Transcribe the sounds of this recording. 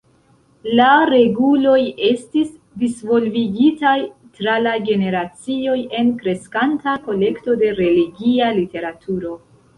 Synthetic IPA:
laɾe̞ɡulo̞je̞stis | disvo̞lviɡitajtɾalaɡe̞ne̞ɾat͡sio̞je̞nkɾe̞skantako̞le̞kto̞de̞ɾe̞liɡialite̞ɾatʰuɾo̞

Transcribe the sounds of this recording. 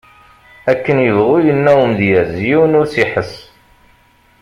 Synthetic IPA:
ækːənjəvʁujənːæwəmðjæzjiwnʊɾsiħəs

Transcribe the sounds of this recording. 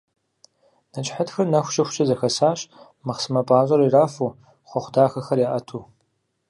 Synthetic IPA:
nɐt͡ʃʼħɐtxɐrnɐxʷʊ̥ʃʼɐxʷʃʼɐzɐxɐsaːɕ | mɐχsɨmɐpʼaːʑʼɐɾiraːfu | χʷɔχʷʊdaːxɐxɐrjaːʔɐtʰuː

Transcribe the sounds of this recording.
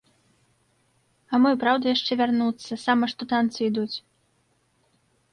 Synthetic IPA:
ɐmɔjpɾawd̪ɐjaʂt͡ʂɛvʲarnut̪sːɐsamɐʂt̪ɔt̪ant̪sɨid̪ut͡sʲ

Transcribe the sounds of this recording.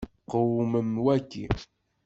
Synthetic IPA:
qəwməmwækːḭ

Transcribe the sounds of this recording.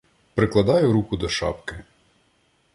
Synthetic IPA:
pɾɪklˠɐd̪ɑjʊɾukʊd̪ɔʃɑ̰pkɪ

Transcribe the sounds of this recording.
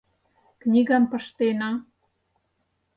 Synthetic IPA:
knʲiɣɑnpə̆ʃt̪enɑ

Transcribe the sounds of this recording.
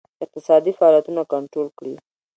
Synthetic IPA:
ɪq̚t̪ɪsɑd̪ifaɑljat̪unakaɳʈɾolkɽi

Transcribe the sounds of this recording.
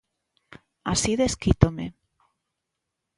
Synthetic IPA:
asiðeskit̪omḛ

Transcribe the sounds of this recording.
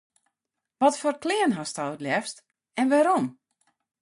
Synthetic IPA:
ʋɔtfoːrklɪənɦastɔwətljɛfst | ɛnʋaɾom

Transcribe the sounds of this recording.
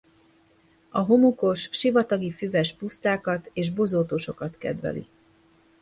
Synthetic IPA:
ɒɦo̞muko̞ʃʃivɒt̪ɒɡifyvɛʃpust̪aːkɒt̪eːʒbozoːt̪oːʃo̞kɒt̪kɛ̰d̪ʋɛ̰lḭ

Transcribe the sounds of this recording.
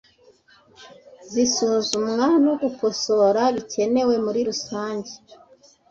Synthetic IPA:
zisuzumŋano̞ɡuko̞so̞ɾaβice̞ne̞we̞muɾiɾusaːɲɟe

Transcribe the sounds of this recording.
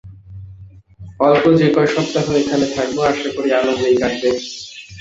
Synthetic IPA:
ɔlkod͡ʑekɔjʃɔb̚t̪aɦoekʰanet̪ʰak̚boaɾʃakoɾealoɦojkaɡbe

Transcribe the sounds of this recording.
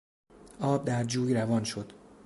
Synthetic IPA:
ʔɒːb̚d̪æɾd͡ʒuːjɾævɒːnʃod̪̥

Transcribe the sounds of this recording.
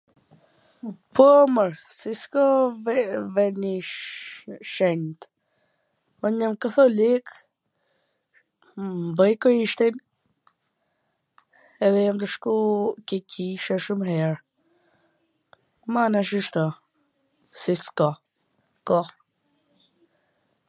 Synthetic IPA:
pɔəməɾsiskɔ | vɛni | ʃɛɲt̪ | ɔɲamkəθɔlik | mbəjkɾiʃt̪in | ɛðɛjamt̪əʃkukɛkʰiʃɛʃumɦɛɾ | manaʃ̬iʃt̪ɔ | siskɔ | kɔ

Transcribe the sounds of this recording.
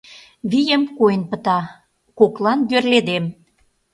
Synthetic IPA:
βijəmkojənpət̪ɑ | koklɑnɡ̪ørled̪em

